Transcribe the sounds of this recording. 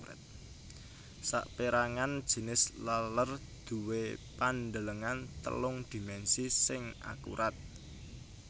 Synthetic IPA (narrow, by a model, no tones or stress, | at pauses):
ɛ̰t̪̚ | sa̰ʔpeɾaŋand̥ʒ̥i̤nɪslalər | d̪̥ṳwepand̪ələŋant̪ə̰lʊŋd̪̥i̤mɛnsisɪŋa̰kṵɾʔat̪̚